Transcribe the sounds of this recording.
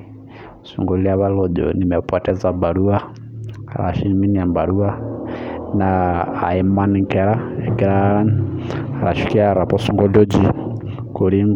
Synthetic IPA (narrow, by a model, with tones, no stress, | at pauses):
sṵ˨ŋɡɔ˨li˦a˦βa˦lɔ˨ʄɔ̰˨ni˨mɛ˨pwa˨tɛ˦za˨mba˨ɾu˦a˦ | a̰˨ɾa̰˨ʃi˦mi˦ni˨a˨mba˨ɾu˦a˦ | na̰ː˨ɛ˦ma˦ni˨ŋkɛ˨ɾa˦ɛ˨ɡɛ˦ɾa˦na˨ɾa̰˨ʃi˦ki˦a˦˨ɾa˨pɔ˦su˦ŋɡɔ˦dɔ˦d͡ʒi˦ | ko˨ɾi˦ŋ